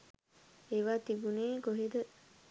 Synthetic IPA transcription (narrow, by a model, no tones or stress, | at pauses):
eʋaːt̪ibuneːɡoɦid̪ə